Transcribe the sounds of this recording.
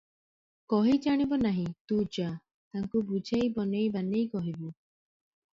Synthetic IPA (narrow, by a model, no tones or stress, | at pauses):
kɔɦid͡ʒaɽ̃ibɔnaɦĩt̪ud͡ʒa | t̪aŋkubud͡ʒʱejbɔnejbanejkɔɦibu